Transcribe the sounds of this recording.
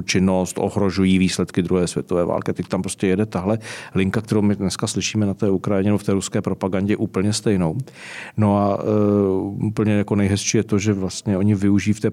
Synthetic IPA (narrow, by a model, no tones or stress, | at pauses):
t͡ʃɪno̞st̪ʔo̰ɦɾo̞ʒujiːviːslɛt̪kɪd̪ɾuɦɛːsvjɛt̪ovɛːva̰ːlkɪat̪ɛct̪ampɾoscɛjɛdɛt̪aɦlɛlɪŋkakt̪ɛɾowmɪdnɛskaslɪʃiːmɛnat̪ɛːukɾajɪɲɛnɛboft̪ɛːɾuskɛːpɾo̞paɡaɲɟɛʔuːpl̩ɲɛst̪ɛjnow | no̞a | upl̩ɲɛjako̞nɛjɦɛsʃiːjɛt̪o̞ʒɛvlast̪ɲɛʔo̞ɲɪvɪuʒiːft̪ɛː